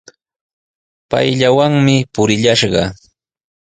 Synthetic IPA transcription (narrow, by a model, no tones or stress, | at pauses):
pa̰jʎawaŋmɪpʊɾɪʎaʃɢɑ̰